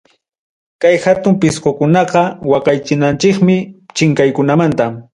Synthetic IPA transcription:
kajhat̪ʊmpɪsqokʊnɑqɑwɑqɑjt͡ʃɪnant͡ʃɪkmɪt͡ʃɪŋkajkʊnamant̪am

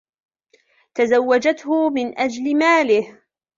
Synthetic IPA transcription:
t̪azawːad͡ʒat̪hʊmɪnʔad͡ʒlɪmaːlɪh

